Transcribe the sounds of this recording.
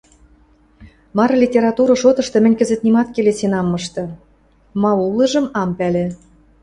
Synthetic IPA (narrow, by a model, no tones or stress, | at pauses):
mɑɾɤlʲitʲeɾɑt̪uɾɤ̆ʃot̪ɤ̆ʃt̪ɤ̆mɘ̆nʲkɘ̆zɘ̆t̪̚nimɑt̪kelesinɑmːɤʃt̪ɤ̆ | mɑulɤ̆ʒɤ̆mɑmpælĕ